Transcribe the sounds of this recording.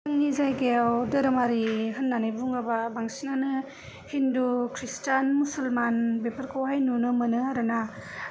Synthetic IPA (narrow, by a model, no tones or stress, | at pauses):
ɯŋnizajɡeawdɯɾɯmaɾihɯnːanajbuŋababaŋsinanɯ | hindukʰɾistanmusɐlmanbepʰɐɾkʰowhajnunɯmɯnɯaɾɯna